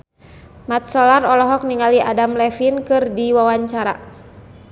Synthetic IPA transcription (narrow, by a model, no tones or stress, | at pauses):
mat̪̚sɔlarɔlɔɦɔk̚niŋaliʔadamlɛfinkɨrdiwawaɲt͡ʃaɾa̰